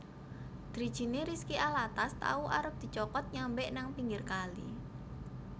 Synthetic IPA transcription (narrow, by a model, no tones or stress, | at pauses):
d̪̥ɾid̥ʒ̥i̤neɾiskiʔalat̪ast̪a̰uʔa̰ɾəp̚d̪̥i̤t͡ʃɔkɔt̪̚ɲambɛʔnaŋpiŋɡɪrkalḭ